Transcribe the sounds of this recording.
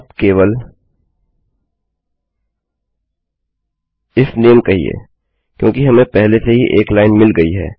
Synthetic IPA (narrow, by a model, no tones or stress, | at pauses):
pkeːʋəl | ɪsneːmkɐɦḭḛː | kjõːkiɦɐmẽpɛɦleseɦiʔeːklaːɪnmɪlɡɐiɦɛ̰ː